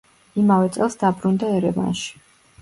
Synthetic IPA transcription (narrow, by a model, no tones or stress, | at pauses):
imavɛt̪sʼɛlˠsd̪abɾund̪aɛɾɛva̰nʃi̥